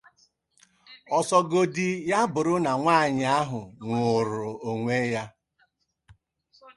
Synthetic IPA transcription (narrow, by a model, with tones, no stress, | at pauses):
ɔ˨sɔ˨ɡo˦di˦ja˦bʊ˨ɾʊ˦na˨ŋʷa˦˨ɲɪ˨a˦ɦʊ˨ŋʷʊ˨ɾʊ˨o˨ŋʷe˦ja˦